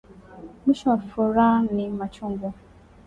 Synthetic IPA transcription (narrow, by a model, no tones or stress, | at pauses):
miʃafuɾanimat͡ʃuŋɡu